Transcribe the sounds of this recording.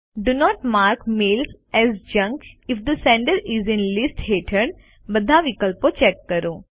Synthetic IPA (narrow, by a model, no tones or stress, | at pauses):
ɖunɔːʈmaːɾkmeːls | ɛzd͡ʒɐ̃ŋkɪfd̪əsɛ̃ɳɖəɾɪzɪ̃nlɪsʈheːʈʰəɳ | bɐd̪ʱaʋɪkəlpot͡ʃɛkːəɾõː